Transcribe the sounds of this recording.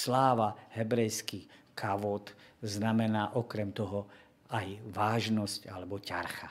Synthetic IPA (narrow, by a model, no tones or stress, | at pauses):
slaːʋaɦɛbɾɛjskikʰaʋɔt̪znamɛnaːʔɔkɾɛmt̪ɔɦɔ | ajʋaːʒnɔscalɛbɔca̰ɾxa